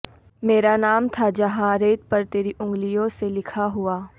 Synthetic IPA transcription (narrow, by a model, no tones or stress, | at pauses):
meːɾanaːmt̪ʰad͡ʒɐɦãɾeːt̪pɐɾt̪eːɾiʔʊ̃ŋɡlijõselɪkʰaɦʊaː